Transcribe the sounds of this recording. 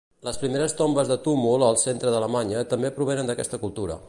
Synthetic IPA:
ləspɾimeɾəst̪ombəzðət̪umulˠəlˠsent̪ɾəðələmaɲət̪əmbepɾuβ̞enənd̪əkɛst̪əkulˠt̪uɾə̰

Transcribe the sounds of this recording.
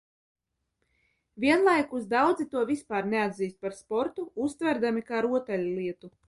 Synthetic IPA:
vʲiɛnlˠajkuzd̪awd̪zit̪uɔvʲispaːɾnead̪ʲziːst̪̚paɾspɔɾt̪uust̪vʲæɾd̪amikaːɾuɔt̪ɛlʲulˠiɛt̪u

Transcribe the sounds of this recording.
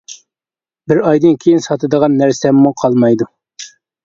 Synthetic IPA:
bɪɾɑjd̪ɨnkʲʰejinsɑt̪ʰɨd̪əʁɑnːæɾsɛmːuqʰɑlˠmɑjd̪u

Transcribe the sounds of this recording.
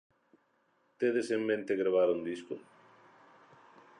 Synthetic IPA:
t̪eðesemːẽnt̪eɣɾaβaɾund̪isko

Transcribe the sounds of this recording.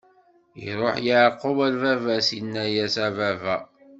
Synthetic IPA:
ḭɾˤoħjəʕqːowælvævæsinːæjæsævævæ

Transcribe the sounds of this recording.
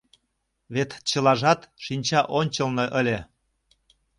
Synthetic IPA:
βet̪t͡ɕə̆lɑʒɑt̪ʃinʲt͡ɕɑʔonʲt͡ɕɤ̆lnɤ̆ʔə̆lʲe

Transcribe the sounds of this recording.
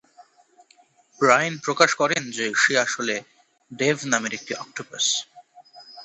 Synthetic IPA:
bɾajnpɾokaʃkɔɾend͡ʑeʃeaʃole | ɖevʱnameɾek̚ʈiʔɔk̚ʈoba̰s

